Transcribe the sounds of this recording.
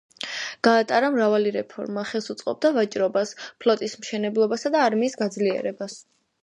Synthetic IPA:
ɡ̥aːt̪ʼaɾamɾavaliɾɛpʰɔ̰ɾmaχɛlˠsut̪sʼqʼɔ̰b̚d̪avat͡ʃʼɾɔbaspʰlɔt̪ʼismʃɛnɛblˠɔbasad̪aːɾmiːsɡad̪zliɛ̰ɾɛbas

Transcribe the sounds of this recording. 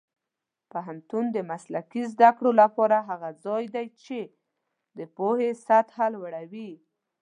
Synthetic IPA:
paɦant̪und̪əmaslakizd̪akɽolapɑɾaɦaɣazɑjd̪ajt͡ʃe | d̪əpohesat̪halwaɽawi

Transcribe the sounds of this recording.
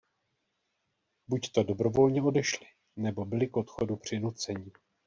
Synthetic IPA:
buct̪o̞do̞bɾo̞vo̞lɲɛo̞dɛʃlɪ | nɛbo̞bɪlɪkʔot̪xodupr̝̥ɪnut͡sɛɲɪ

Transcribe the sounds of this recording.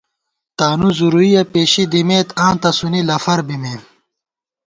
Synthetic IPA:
t̪aːnuzuɾuijɐpeːɕid̪imeːt̪ãːnt̪ɐsunilɐfɐɾbimeː

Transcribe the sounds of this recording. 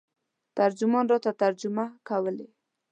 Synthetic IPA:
t̪aɾd͡ʒʊmɔnɾɑt̪at̪aɾd͡ʒʊmakawəle

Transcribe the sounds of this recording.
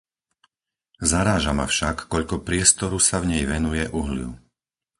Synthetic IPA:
zaɾaːʒama̰fʃakːɔʎkɔpɾɪɛst̪ɔɾusavɲɛjʋɛnujɛʔuɦlɪ̰ṵ

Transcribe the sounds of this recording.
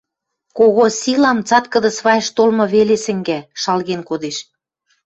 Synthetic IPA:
koɣosʲilɑmt͡sɑt̪kə̆d̪ə̆sβɑjəʃt̪olmɤ̆βelesɘ̆ŋɡæʃɑlɣenkod̪eʃ

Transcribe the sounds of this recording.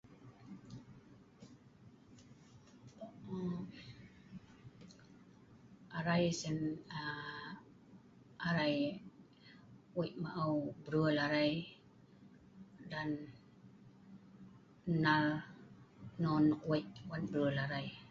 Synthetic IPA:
ʔaɾajsena | ʔaɾaj | ʔujmaʔawbɾɯəlaɾaj | dan | al | nɔnkuəjwanbɾɯəlaɾaj

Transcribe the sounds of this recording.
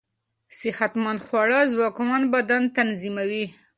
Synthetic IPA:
sɪhat̪manxwɑɽɑzwɑkwanbad̪ant̪anzimawi

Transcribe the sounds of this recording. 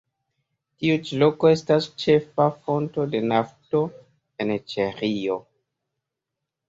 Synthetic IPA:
tiut͡ʃilo̞ko̞e̞stast͡ʃe̞fafo̞nto̞de̞nafto̞ | e̞nt͡ʃeɾio̞

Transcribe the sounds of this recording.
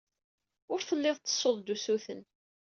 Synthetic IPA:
ʊɾθəlːɪðˤt͡s̪ːə̥sˤːoðˤd̪usuθən

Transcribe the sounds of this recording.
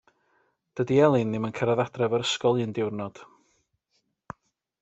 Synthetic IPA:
d̥ədiɛlˠɨnːɪmənkʰɛɾɛðadrɛvəɾəskɔlˠiəndɪwrnɔd̥

